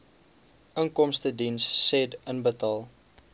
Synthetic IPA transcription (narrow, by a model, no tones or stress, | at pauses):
əŋkɔmstədinsːɛdənbətɑːlˠ